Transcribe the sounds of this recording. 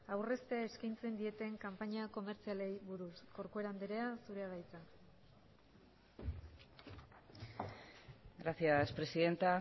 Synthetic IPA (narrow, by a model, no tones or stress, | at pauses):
awre̞st̪e̞ae̞skajnt͡se̞nd̪ie̞t̪e̞ŋkampaɲako̞me̞ɾt͡siale̞jβuɾusko̞ɾkue̞ɾand̪eɾe̞asuɾe̞aɣajt͡sa | ɡɾaθiaspɾesiðe̞nt̪a